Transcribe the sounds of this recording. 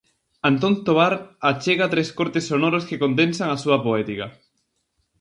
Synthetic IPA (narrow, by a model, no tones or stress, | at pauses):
ant̪ont̪oβaɾat͡ʃeɣat̪ɾeskoɾt̪esːonoɾoskekond̪ẽnsaŋasuɐpoet̪ikɐ